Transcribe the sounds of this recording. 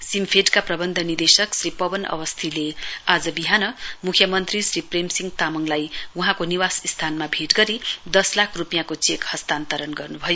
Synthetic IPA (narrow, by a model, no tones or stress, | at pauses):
simpʰeʈkaprʌbʌnd̪ʱʌnird̪esʌksripʌbʌnʌ̰wʌst̪ʰilead͡zʌbiɦanʌmukʰjʌmʌnt̪risripremsiŋɡt̪amʌŋlajwuɦãkoniwasist̪ʰanmabʱeʈɡʌɾid̪ʌslakʰrupijãkot͡sekhʌst̪ant̪ʌɾʌnɡʌrnubʱʌjo